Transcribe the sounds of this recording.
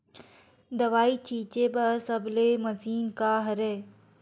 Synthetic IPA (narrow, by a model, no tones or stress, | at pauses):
d̪ɐʋaːiːt͡ʃʰiːt͡ʃebəsəblemɐsiːnkaːɦɐɾeː